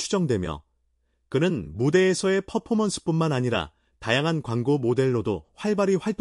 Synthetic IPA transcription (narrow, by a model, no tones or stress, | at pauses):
ud͡ʑʌŋdwe̞mjʌ̰ | kɯnɯnmude̞ːsʰʌe̞pʰʌpʰomʌnsʰɯ̥p͈unmanaɲiɾa̰ | tajaŋɦankwaŋɡomode̞ɭːodoɸwaɭbaɾiɸwaɭt͈